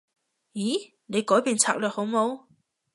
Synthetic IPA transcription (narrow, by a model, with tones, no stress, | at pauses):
jiː˨˥ | ne˨˧jkɔː˨˥jpiː˨nt͡sʰa̰ː˧˩k̚lœː˨k̚ho˨˧˥wmo˨˧w